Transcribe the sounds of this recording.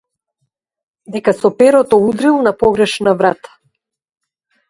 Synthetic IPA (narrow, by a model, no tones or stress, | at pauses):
d̪ɛkasɔpɛɾɔt̪ɔud̪ɾilˠnapɔɡɾɛʃnavɾat̪ḁ